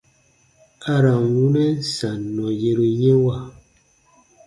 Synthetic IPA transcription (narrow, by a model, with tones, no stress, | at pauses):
a˦ɾa˨wu˦nɛ˦n̩˦˨sa˨nɔ˨je˨ɾo˨je˦wa˦˨